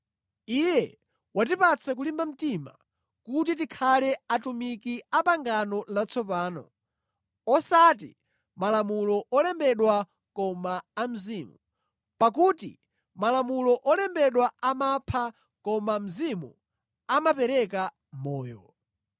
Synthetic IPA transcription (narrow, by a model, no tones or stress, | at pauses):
ijɛ | wat̬ipat͡sʰɛk̬ulimbam̩tima̰ | kut̬it̬ikʰalɛatumikiapaŋɡanɔlat͡sʰɔpaːnɔ̰ | ɔsat̬ḭ | malamulɔʔɔlɛmbɛɗwa | kɔmaam̩ziːmu | pak̬utḭ | malamulɔʔɔlɛmbɛɗwaamapʰa | kɔmam̩zimṵ | amapɛɾɛka | mɔːjɔ̰